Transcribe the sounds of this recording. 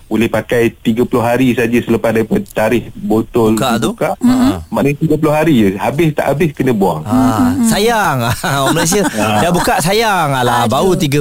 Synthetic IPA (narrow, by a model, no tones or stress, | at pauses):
bolɛhpakajt̪iɡəpulʊɦaɾisad͡ʒəsələpasdaɾipadt̪aɾɪhbot̪ɔlkabt̪ukaʔmanə̃t̪iɡəp̬ulʊhɦaɾihabɪst̪a̰ʔabɪskənə̃buaŋasajaŋaməlas̬iədabukaʔsajaŋalabaut̪iɡə